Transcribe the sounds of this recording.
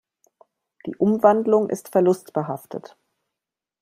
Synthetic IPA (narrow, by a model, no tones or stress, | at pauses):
d̥ḭːʔʊmvandlʊŋʔɪ̰stfɛɐlʊstb̥əɦaftʰə̰t